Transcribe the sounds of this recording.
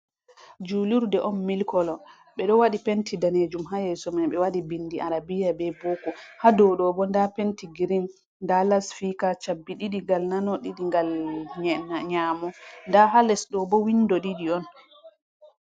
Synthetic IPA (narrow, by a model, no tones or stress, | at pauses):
d͡ʒuːluɾdɛʔɔnmilkɔlɔ | ɓɛɗɔwaɗipentʰidaned͡ʒumhajɛsɔmanɓɛwaɗibindiʔaɾabijabɛbokuhadɔɗɔbɔndapentiɡiɾin | ndalasfikat͡ʃabːiɗiɗiŋɡalnanɔɗiɗiŋɡalɲɛnaɲaːmɔndaɦalɛsɗɔbɔwindɔɗiɗiɔn